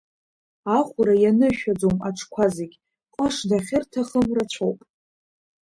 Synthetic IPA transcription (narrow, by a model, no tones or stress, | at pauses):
aχʷʊɾajanɨʃᶣad͡zomaʈ͡ʂʰkʷʰazeɡʲ | qʷʼaʂdaχʲɪrtʰaχəmrat͡ɕʷʰowpʼ